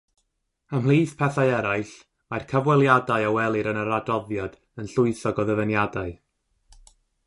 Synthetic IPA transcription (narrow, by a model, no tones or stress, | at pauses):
əmlˠiːθpʰɛθaɨɛɾaɨɬ | majrkʰəvwɛlˠjadaɨawɛlˠɨɾənəɾadɔðjɔd̥ | ənɬʊɨθɔɡɔðəvənjadaɨ